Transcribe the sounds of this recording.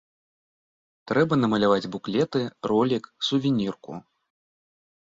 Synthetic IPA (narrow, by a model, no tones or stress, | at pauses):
t̪ɾɛbɐnɐmɐlʲavad͡zʲbuklʲɛt̪ɨrɔlʲiksuvʲinʲirkṵ